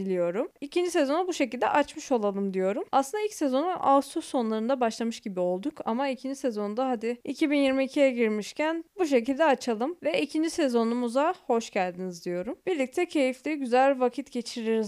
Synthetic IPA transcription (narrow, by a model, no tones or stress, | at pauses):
ilʲijo̞ɾumicʰind͡ʒisezo̞nubuʃe̞cilʲd̪ɛ̰ʔat͡ʃmɯʃo̞lˠalˠɯmd̪ijo̞ɾumasˠɯnd̪ailcsɛzo̞nuʔalˠst̪ʰuso̞nlˠaɾɯnd̪abaʃlˠamɯʃɟibio̞lˠd̪ukʰa̰maicʰind͡ʒisɛzo̞nd̪ahad̪ɪicʰibinjiɾmiicʰijɛɟiɾmiʃcænbuʃ̬e̞cilʲd̪ɛat͡ʃʰalˠɯmvɛicʰind͡ʒisɛzo̞numuzaːho̞ʃɟælʲd̪inizd̪ijo̞ɾumb̥iɾlʲic̚t̪ʰɛcʰe̞jiflʲiɾiɟyzælʲvakʰit̪ɟe̞t͡ʃʰiɾiɾiz